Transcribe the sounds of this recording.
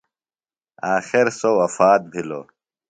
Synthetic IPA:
aːxiɾsowɐfaːt̪̚bʱilo̰ː

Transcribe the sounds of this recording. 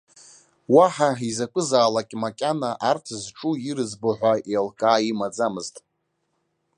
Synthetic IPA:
waħaizakʷʼɨzaːlakʲʼmakʲʼanaʔartʰzʈ͡ʂʼuiɾɨzboħᶣʷaelkʼaːimad͡zamɨztʼ

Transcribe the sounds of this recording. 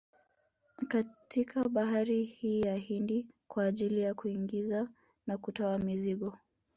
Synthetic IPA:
katʰikʰaɓaɦaɾihiːjahindikwaːʄilijakuiŋɡiza | nakutɔamiziɠɔ

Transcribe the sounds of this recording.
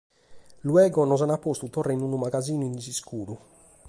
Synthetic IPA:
luɛːɡɔnɔz̬anapːost̪ut̪ɔrːeinunumaɡaziːnuinsiskuːɾu

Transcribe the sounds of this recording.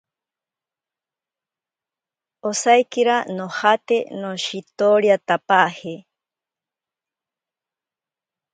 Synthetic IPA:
osajkiɾanohat̪enoʃit̪oɾiat̪apahe

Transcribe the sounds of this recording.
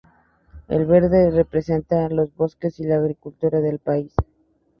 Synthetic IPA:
ḛlβe̞ɾðe̞re̞pɾe̞se̞nt̪alo̞zβo̞ske̞silaːɣɾikult̪uɾaðe̞lpais

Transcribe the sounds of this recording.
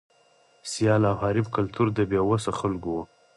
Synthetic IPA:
sijɑlawhɑɾɪbkalt̪uɾd̪əbjɑwasaxalɡow

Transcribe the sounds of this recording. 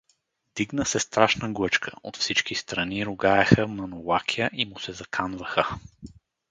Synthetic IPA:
d̪iɡnəsɛst̪ɾaʃnəɡlˠɤt͡ʃkʰəo̰t̪fsit͡ʃkist̪ɾɐniɾʊɡaɛxəmɐnolˠakʲʰijəʔimʊsɛzɐkʰanvəxə

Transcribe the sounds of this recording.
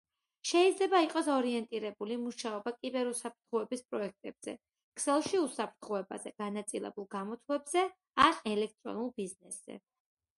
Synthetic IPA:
ʃɛid̪zlɛbaiqʼɔsɔɾiɛnt̪ʼiɾɛbulimuʃaɔbakʼibɛɾusap̚ʰɾt̪ʰχuɛbispʼɾɔɛk̚ʰt̪ʼɛb̥z̥ɛ̰ | kʰʼsɛlˠʃiusapʰɾt̪ʰχuɛba̰zɛɡ̥anat̪sʼilɛ̰bulˠɡamɔt̪ʰlɛbzɛ | anɛlɛk̚ʰt̪ʼɾɔ̰nulˠbiznɛsz̥ɛ̰

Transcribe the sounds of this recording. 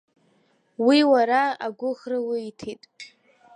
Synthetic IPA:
wiwaɾaaɡʷʊχrawiitʰitʼ

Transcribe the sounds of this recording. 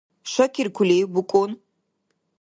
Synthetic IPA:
ʃʷakʲʰɪrkʷʰʊlʲejɡʷʊkʷʼon

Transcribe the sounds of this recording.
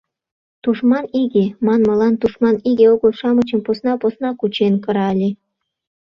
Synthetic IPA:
t̪uʃmɑniɡʲemɑnmɤ̆lɑnt̪uʃmɑniɡʲeoɣɤ̆lʃɑmɤ̆t͡ɕɤ̆mposnɑposnɑkut͡ɕenkɤ̆ɾɑlʲe

